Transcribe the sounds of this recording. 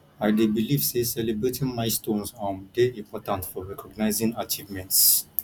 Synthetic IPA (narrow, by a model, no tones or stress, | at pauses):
ajdebilifsesɛlibɹetʰĩŋmaɪstõnsãmdeĩmpʰɔtə̃ntfɔɹɛkɔɡ̚naɪzĩŋat͡ʃivmɛ̃nts